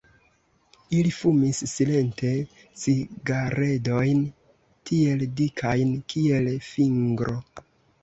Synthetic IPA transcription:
ilifumisːile̞nte̞ | siɡaɾe̞do̞jn | tie̞ldikʰajnkie̞lfiŋɡɾʔo̞

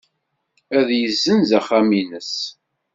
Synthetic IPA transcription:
æðjəzːənzæχæminəs

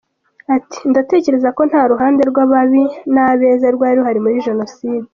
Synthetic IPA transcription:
ati̥ndate̞ːce̞ɾe̞zako̞n̥haːɾuɦaːnde̞ɾɡwaβaβinaβe̞ːzaɾɡwaːɾiohaɾimuɾiʒe̞no̞siːdi

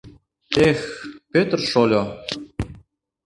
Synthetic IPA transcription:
expøt̪ərʃolʲo

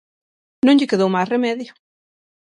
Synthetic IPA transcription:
nõŋʎɪkeðowmajsremɛðjʊ

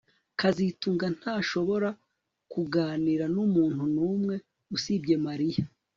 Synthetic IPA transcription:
kazituːŋɡan̥haːʃo̞βo̞ɾa | kuɡaːniɾanumuːn̥hunuːmŋe̞ | usibɟe̞maɾija

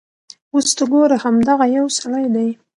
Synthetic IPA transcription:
ost̪aɡoɾahamd̪aɣajawsalajd̪aj

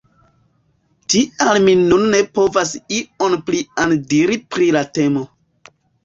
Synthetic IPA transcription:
tialminunːe̞po̞vas̬ionpliandiɾipɾilate̞mo̞

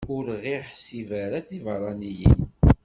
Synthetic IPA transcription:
ʊɾʁiħsivæɾaθivɾˤɑnijḭn

